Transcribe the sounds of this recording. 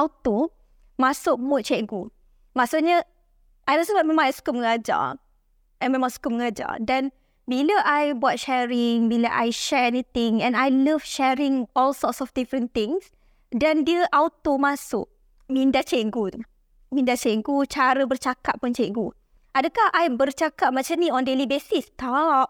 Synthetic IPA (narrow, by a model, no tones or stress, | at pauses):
awt̪o | masʊk̚bʊt̪̚t͡ʃɛŋku | maʔsuʔɲə | ʔajnɔsəbaʔmemãasu̥kuməŋad͡ʒa̰ | ʔɛ̃nmemãsu̥kup̚məŋad͡ʒa̰dɛ̃n | biləʔajbɔt̚ʃɛɹɪŋmiləʔa̰jʃɛɹɛnit̪ɪ̃ŋɛ̃najləvʃɛɹɪ̃ŋɔlsɔtsɔfdifɾə̃nt̪ɪ̃ŋs | dɛ̃ndiəʔawt̪omasʊ̰ʔ̚ | mĩndat͡ʃeŋkut̪u | mĩndat͡ʃeŋkut͡ʃaɾəbərt͡ʃakaʔ̪̚punt͡ʃeŋku | ʔadəkahʔajmbərt͡ʃakat̪̚mat͡ʃamniɔ̃ndelibesist̪aʔ